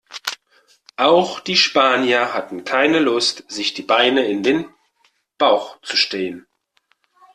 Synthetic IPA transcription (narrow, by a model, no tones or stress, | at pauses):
ʔaʊxd̥iːʃpaːnjɐhatn̩kʰaɪnəlʊstz̥ɪçd̥iːbaɪnəɪndeːn | b̥aʊxt͡suʃtɛːən